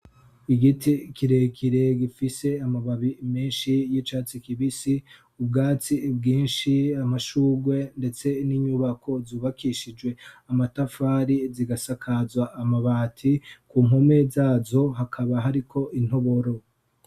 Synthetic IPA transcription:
iɡitʰikʰiɾekʰiɾe̞ɡifise̞amaβaβimeːnʃijit͡ʃaːt͡sikiβisi | ubɡaːt͡sib̚ɡiːnʃiamaʃuːɡwe̞nde̞t͡se̞niɲuβakʰo̞zuːβakiʃid͡ʒwe̞amatafaːɾiziɡasakʰazwaʔːmaβaːtʰikuːmɦome̞zaːzo̞ɦakʰaβaɦaɾikʰo̞ʔin̥ho̞βoɾo̞

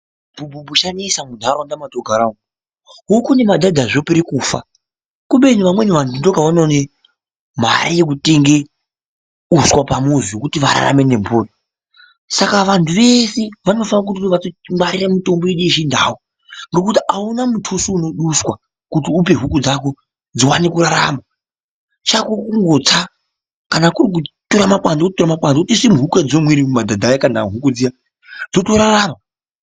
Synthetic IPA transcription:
bʱubʱubʱuʃanisamudʱaɾandamatoɡʱaɾao | ɦokune̞madʱadʱaʐopiɾikuːfa̰ | kuɓeniʋamwe̞niʋantundoɡʱaʋanone | m̤a̰ɾajek̬uteŋɡe | uswapamuzijokutiʋa̰ɾa̰ra̰me̞ne̞mbuːri | sakaʋantʰuʋe̞seʋano̞fanak̬ut̬iʋatomaɾiramito̞mboeɗueʃinda̰ːwo | ŋɡo̞kutiʔaunamutʰusuːno̞ɗuswa | kutiup̬e̞ɦukud͡zako̞ | d͡ziwanekuraɾa̰ma | t͡ʃakukuŋɡot͡sa | kanakurik̬utuɾamakwand͡zokutoramakwand͡zokutisimuɦuked͡zomwiɾimumadʱadʱajakanaɦukud͡zija | d͡zotoɾaraːma

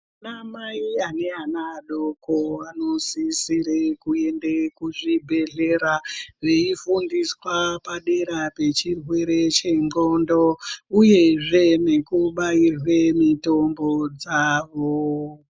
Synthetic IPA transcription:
namaiane̞anaɗokoanosisiɾekue̞ndekuʐibʱe̞ɮe̞ɾaʋeifundiswapaɗeɾape̞t͡ʃirwe̞ɾe̞t͡ʃe̞ŋɡo̞ndouje̞ʐe̞ne̞kuɓairwe̞mito̞mbod͡zaːʋo

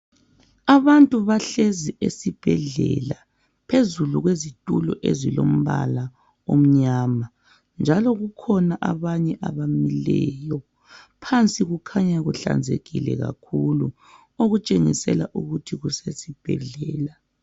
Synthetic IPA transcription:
aβantʼuβaɬeziesib̥ʱɛɮɛla | pʰezuluɣwezitʼulɔʔezilom̩βa̰la | om̩ɲaːma | nd͡ʒʱalɔɣukʰɔnaʔaβaɲɛʔaβamilɛjɔ | pʰant͡sʼiɣukʰaɲaɣuɬa̰nd͡zʱeɣilɛ̰ɣa̰kʰulu | oɣut͡ʃʼeŋḭsɛlaʔuɣutʰiɣusesib̥ʱɛ̰ɮɛːla

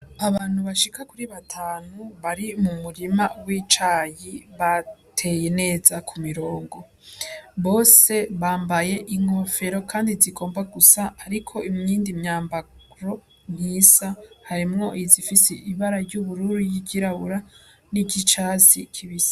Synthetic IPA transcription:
aβaːn̥huβaʃikakuɾiβatʰaːnuβaɾimumuɾimawiːt͡ʃajiβatʰe̞je̞ne̞ːzakʰumiɾo̞ːŋɡo̞ | βo̞ːse̞βaːmbaje̞ʔiŋ̥ho̞fe̞ɾo̞kʰaːndiziɡo̞ːmbaɡusaːɾikʰo̞ʔimɲiːndimɲaːmbaɡɾo | mɲisahaɾimŋo̞izifiseʔiβaɾaɾɟuβuɾuɾijiɟiɾaβuɾa | niɟit͡ʃaːzḭkʰiβisḁ

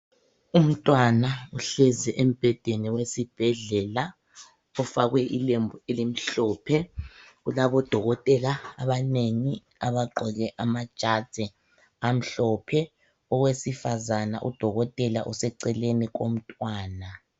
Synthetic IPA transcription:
um̩tʼwanauɬɛzɛʔem̩b̥ʱɛd̥ʱeniwesib̥ʱɛɮɛla | ɔfaɣwɛʔilembʱuelim̩ɬɔːpʰɛɣulaβɔd̥ʱɔɣɔtʼɛlaːβaneŋi | aβaǃɔɣɛʔamad̥ʒ̥ʱad̥z̥ʱɛ | am̩ɬɔpʰɛ | ɔɣwesifazana̰ʔṵd̥ʱɔɣɔtʼɛla̰ʔɔsɛǀɛleniɣ̬om̩tʼwaːna

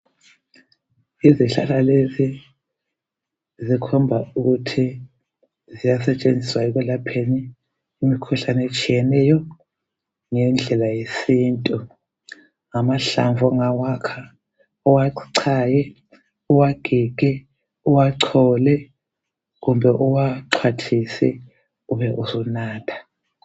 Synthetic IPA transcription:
iziɬa̰lalezi | zikʰɔmbʱauɣutʰi | zijasɛt͡ʃʼend͡zʱiswaɛɣ̬ulapʰeniː | mikʰuɬanɛt͡ʃʼijɛnɛjɔ | ŋɛnd͡ɮʱɛlajesiːntʼu | ŋamaɬa̰ɱvʱɔŋawakʰa | ɔwaǀʰajɛ | uwaɡ̥ʱiɡ̥ʱɛ | uwaǀʰɔlɛ | ɣumbʱɛʔuwaǀʰwatʰisɛ̰ | uβɛʔuzɔnaːtʰḁ

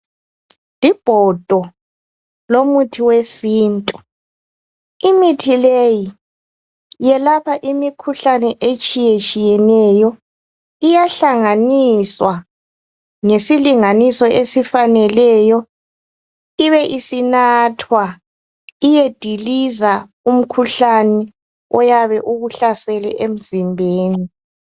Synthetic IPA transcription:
lib̥ʱɔd̥ʱɔ | lomutʰiwesiːntʼu | imitʰileji | jɛlapʰaʔimikʰuɬanɛʔet͡ʃʼijet͡ʃʼijɛnɛjɔ | ijaɬaŋaniswa | ŋesiliŋanisɔʔesifanɛlɛjɔ | iβɛʔisinatʰwa | ijed̥ʱiliza | um̩kʰuɬanɛ | ɔjaβɛʔuɣuɬasɛlɛ̰ʔem̩zimbʱeːni

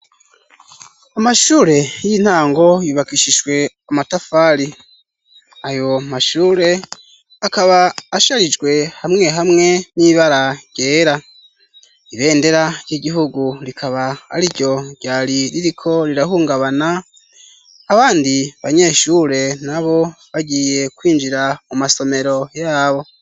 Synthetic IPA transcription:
amaʃuːɾe̞jin̥haːŋɡo̞jiβakiʃiʒɡwe̞ | amatafaɾi | ajo̞maʃuːɾe̞ | akaβaːʃaɾid͡ʒɡwe̞hamŋe̞ɦamŋe̞niβaɾaɟ̥e̞ːɾa | iβe̞ːnde̞ɾajiɟiɦuɡuɾikʰaβaha̰ɾiɟo̞ɟ̥aːɾiɾiɾikʰo̞ɾiɾahuːŋɡaβana | βaːndiβaɲe̞ːʃuɾe̞naβo̞βaɟiːje̞kwiːnd͡ʒiɾamumaso̞me̞ɾo̞jaːβo̞

